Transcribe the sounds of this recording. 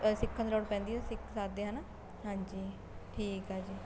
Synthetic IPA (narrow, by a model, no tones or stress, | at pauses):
sɪkʰːə̃nloːɽpɛ̃ːnd̪iːɛsɪkʰsaːd̪eːɦana | ɦãːɲd͡ʒiː | ʈʰiːkɦaːd͡ʒiː